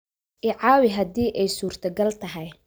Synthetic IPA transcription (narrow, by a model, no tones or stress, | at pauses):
ʔɪʕɑːwɪɦɐd̪iːʔɛjsuːrt̪ʰɐɡɐlt̪ʰɐɦɛj